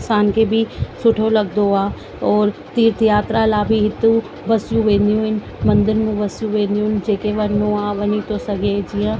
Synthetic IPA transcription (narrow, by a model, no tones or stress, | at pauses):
saːnkebʱisʊʈʰoləɡd̪oaː | ɔːɾt̪iːɾt̪ʰjaːt̪ɾalaːbʱiɦɪt̪ːu | bəsjũʋẽːnd̪ijũɪn | mə̃nd̪əɾmũbəsjũʋẽːnd̪ijũnd͡ʒeːkeʋəɾnõaːʋənit̪osəɡed͡ʒɪjãː